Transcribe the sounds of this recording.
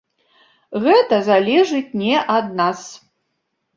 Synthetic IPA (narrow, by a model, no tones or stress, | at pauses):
ɣɛt̪ɐzalʲɛʐɨtʲnʲɛʔɐd̪̚nas